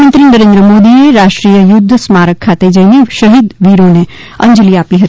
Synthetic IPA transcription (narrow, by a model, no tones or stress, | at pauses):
mənt̪ɾinəɾẽnd̪ɾəmoːd̪imeɾaːʃʈɾijəjʊd̪ʱːsmaːɾəkʰːat̪ed͡ʒəieʃəɦid̪ʋiɾone | ɐ̰̃nd͡ʒəliaːpiɦət̪